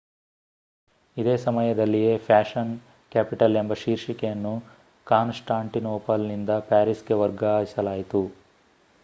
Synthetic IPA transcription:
id̪e̞ːsɐmɐjɐd̪ɐlːije̞ːpʰaːʃɐn | kaːpiʈɐle̞mbɐʃiːɾʃikɛjɐnːu | kaːnsʈaːɳʈinoːpɐlnind̪ɐpaːɾisɡeʋɐɾɡɐɦisɐlaːjit̪u

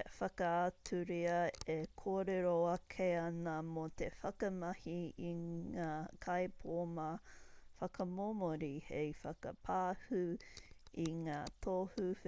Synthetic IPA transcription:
fɐkɐatʰuɾiɐekʰoːɾeɾoɐkʰeɐnɐmot̪efɐkɐmɐhiiŋaːkʰɐepʰoːmɐfɐkɐmomoɾihejfɐkɐ̰pʰaːhu | iŋaːtʰoːhuf

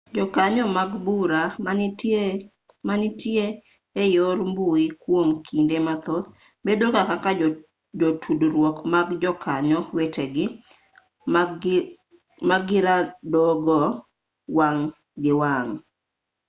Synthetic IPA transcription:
d͡ʒɔkaɲɔmaɡbuɾa | manɪtjeː | joɾmbuikwomkʰindemat̪ɔt̪̚ | bedokakaka | d͡ʒotʰudɾwɔkmaɡd͡ʒɔkʰaɲɔweteɡɪ | maɡɪɾadɔɡɔ | waŋ | ɡɪwaŋ

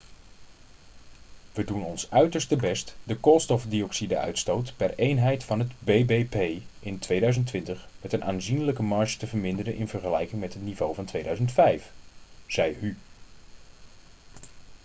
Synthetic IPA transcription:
ʋədunɔnsœɥtəɹstəbɛstdəkoːlˠstɔfdiɔksidə̰œ̰ɥtstowtpɛrejnɦɛjtfɑnɦədbejbejpejɪntʋejdœɥzəntʋɪntəχ | mɛtənʔaːnzinləkəmɑɹʃtəvəɹmɪndərənʔɪnvəɹχəlɛjkɪŋmɛtɦətnivowvɑntʋejdœɥzəntfɛjfz̥ɛjhy

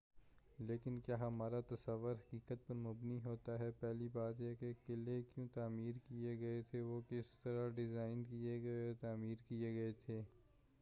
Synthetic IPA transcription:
leːkɪnkjaːɦɐmaːɾat̪ɐsɐʋːʊɾɦɐkiːkət̪̚pɐɾmʊbniɦoːt̪aɦɛpɛɦlibaːt̪jɛkekɪlekjõt̪aːmiːɾkieɡɐet̪ʰeʋoːkɪst̪ɐɾaɖɪzaːɪnkieɡɐet̪aːmiːɾkieɡɐet̪ʰeː

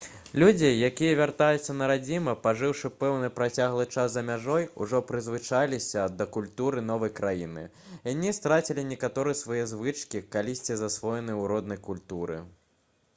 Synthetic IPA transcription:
lʲud͡zʲijakʲijɐvʲart̪ajut̪sːɐnɐɾad͡zʲimɐpaʐɨwʂɨpɛwnɨpɾat͡sʲaɣlˠɨt͡ʂaszɐmʲaʐɔjṵʐɔpɾɨzvɨt͡ʂalʲisʲɐd̪ɐkulʲt̪uɾɨn̪ɔvɐjkɾajinɨ̰ | janʲist̪ɾat͡sʲilʲinʲɛkat̪ɔɾɨjsvajɛzvɨt͡ʂkʲikalʲisʲt͡sʲizasvɔjɛnɨjwɾɔd̪̚nɐjkulʲt̪uɾɨ̰

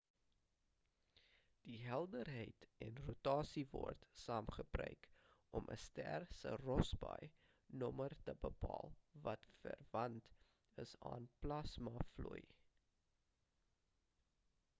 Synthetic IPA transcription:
d̥iɦɛlˠdərɦəjtɛnrutɑːsivɔ̰rtsɑːmχəbrœ̰ɥkɔmʔə̰stærsə̰rɔsbɑ̰j | nɔmərtəbəpɑːlˠvɐtfə̰rvɐnt | əsɑːnplɐsmɐfluj

